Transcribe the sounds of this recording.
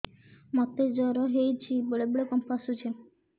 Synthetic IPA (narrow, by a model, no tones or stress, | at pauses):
mɔt̪ed͡ʒɔɾɔɦejt͡ʃʰiboɭeboɭekɔmpasut͡ʃʰe